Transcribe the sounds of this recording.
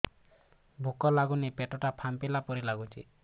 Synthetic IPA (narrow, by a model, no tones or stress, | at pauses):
bʱukɔlaɡunipeʈɔʈapʰampilapɔɾilaɡut͡ʃʰḭ